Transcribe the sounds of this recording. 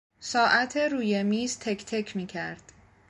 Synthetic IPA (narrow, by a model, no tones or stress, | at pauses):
sɒːʔæt̪ʰeɾuːjemiːzt̪ʰekʰt̪ʰecʰmiːcʰæɾd̪̥